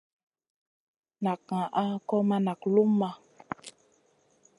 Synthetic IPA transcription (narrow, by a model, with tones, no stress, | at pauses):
na˨kã˨ʔa˦kɔ˦ma˦na˨klu˦mːa˦